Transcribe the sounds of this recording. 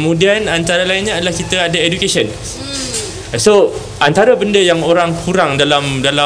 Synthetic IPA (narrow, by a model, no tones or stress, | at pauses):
əmũdianant̪aɾalainɲaadəlahkit̪aadaedukesiən | so | ʔant̪aɾabəndəjaŋoɾaŋkuɾaŋdalamdala